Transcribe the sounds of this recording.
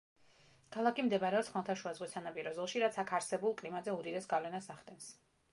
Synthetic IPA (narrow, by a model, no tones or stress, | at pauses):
kʰalˠakʰimd̪ɛbaɾɛɔsχmalˠt̪ʰaʃuazʁwisanapʼiɾɔzɔlˠʃiɾat̪sʰakʰaɾsɛbulˠkʼlimazɛud̪id̪ɛsɡavlɛnasaχd̪ɛns